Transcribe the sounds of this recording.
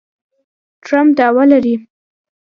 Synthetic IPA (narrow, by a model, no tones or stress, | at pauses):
ʈɾamp̚d̪ɑwalaɾi